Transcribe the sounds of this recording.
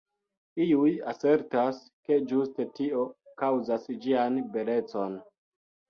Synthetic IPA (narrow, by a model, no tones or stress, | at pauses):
iujase̞ɾtas | ke̞d͡ʒuste̞tio̞kawzasd͡ʒianbe̞le̞t͡so̞n